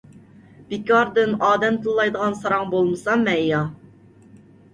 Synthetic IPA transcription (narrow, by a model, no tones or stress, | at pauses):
b̥ikʲɑɾd̪ɨnɑːd̪ɛmt̪ʰɨlˠːɑjd̪əʁɑnsɑɾɑŋbolˠmɨsɑmːɛjɑ